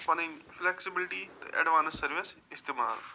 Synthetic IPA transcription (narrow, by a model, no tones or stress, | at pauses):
pənɪ̃ŋflɛksɪbɪlɪʈiːt̪ḛʔɛ̰ɖʋaːnɪsːəɾʋɪsɪst̪eːma̰ːl